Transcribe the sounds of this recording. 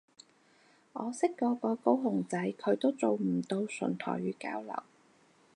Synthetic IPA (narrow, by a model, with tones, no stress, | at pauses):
ŋɔː˨˧sɪ˥kːɔː˨˧kɔː˧ko˥wɦʊ˨˩ŋt͡sɐ˨˥jkʰɵ˨˧ɥt̪o˥wt͡so˨wm̩˨˩t̪o˧wsɵ̰˨˩nt̪ʰɔ̰ː˨˩jɥyː˨˧ka̰ː˨˥wlɐ̰˨˩w